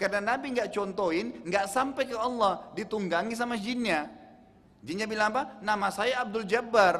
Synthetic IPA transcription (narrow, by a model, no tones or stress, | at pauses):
karənanabiŋɡaʔt͡ʃɔnt̪oɪnŋɡaʔsampajkəɔlːɔhdit̪uŋɡaŋis̬amad͡ʒinɲa | d͡ʒinɲabilaŋapanamasajaːb̚dʊld͡ʒabar